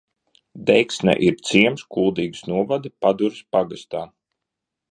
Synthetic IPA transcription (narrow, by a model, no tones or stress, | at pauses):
d̪ɛjksnʲɛ̰ʔiɾt̪siɛmskulˠd̪iːɡsnuɔvad̪ipad̪uɾspaɡast̪aː